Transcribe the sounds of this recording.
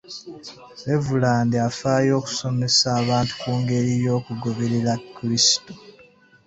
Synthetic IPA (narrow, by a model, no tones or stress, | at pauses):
evulaːndiafaːjo̞ːku̥so̞me̞saːβaːntu̥kuːŋɡe̞ɾijo̞ːkuɡoβeɾiɾakːiɾisi̥to̥